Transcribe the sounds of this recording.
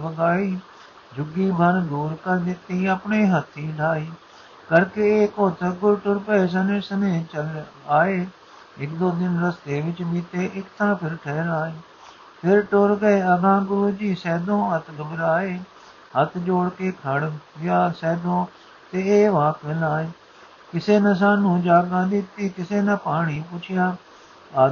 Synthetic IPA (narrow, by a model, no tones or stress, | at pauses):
bəɡaːiː | d͡ʒʱʊɡːiːbʱənd̪uːɾkəɾd̪ɪt̪iːəpɳeːɦət̪ʰːiːlaːiː | kəɾkeeːkoːt̪ʰəɡʊɾʈʊɾpəeːs̬ənẽːsəmẽːt͡ʃəl | aːeː | ɪkd̪oːd̪ɪnɾəst̪eːʋɪt͡ʃbiːt̪eːʔɪkt̪ʰãːpʰɪɾʈʰɛːɾaːeː | pʰɪɾʈoɾɡəeːəɡ̪ãːɡʊɾuːd͡ʒiːsɛːd̪õːɦət̪ʰɡəbɾaːeː | ɦət̪ʰd͡ʒoːɽkeːkʰəɽɪjaːsɛːd̪õː | t̪eːeːʋãːkəlaːeː | kɪseːnəs̬aːnũːd͡ʒaːɡãːd̪ɪt̪iːkɪseːnəpaːɳ̃iːpʊt͡ʃʰɪjaː